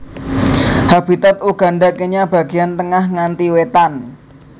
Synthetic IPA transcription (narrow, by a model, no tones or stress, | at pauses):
hab̥it̪at̪uɡ̥a̤ɳɖakeɲab̥a̤ɡ̥iant̪əŋahŋant̪iwet̪an